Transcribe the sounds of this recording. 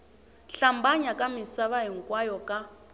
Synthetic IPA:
ɬambaɲakʼamisaβaɦiŋ̩kʼwajɔkʼa

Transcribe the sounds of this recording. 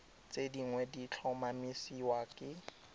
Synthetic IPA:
t͡sʼediŋwɛdit͡ɬʰɔmamisiwakʼɪ

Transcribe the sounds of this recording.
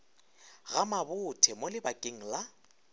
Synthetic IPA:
ɣamabʊtʰɛmolɪbakʼeŋ̩la

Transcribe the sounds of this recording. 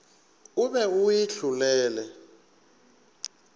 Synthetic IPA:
ʊbɛɣʊɪɬʊlɛːlɛ

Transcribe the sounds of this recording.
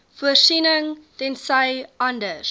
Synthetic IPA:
fuəsinəŋtɛnsəjɐndəs

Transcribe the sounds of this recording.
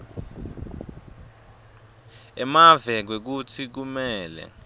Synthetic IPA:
ɛmavɛk̬wek̬ut͡sʰik̬umɛːlɛ̰

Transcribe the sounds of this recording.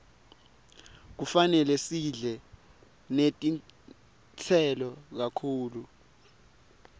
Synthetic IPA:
k̬ufanɛlɛsiɮɛ | netʼin | t͡sʰɛlɔk̬akʰuːlu

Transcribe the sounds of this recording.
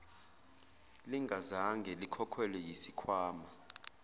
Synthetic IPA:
liŋɡʱazaŋɡʱɛlikʰɔkʰwɛlɛjisikʰwaːma

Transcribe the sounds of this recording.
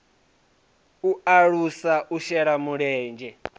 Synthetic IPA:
uaɺusaʔuʃɛɺamuɺɛːnd͡ʒɛ

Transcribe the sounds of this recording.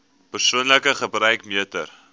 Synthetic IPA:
pərsuənləkəχəbɾœɥkmiətər

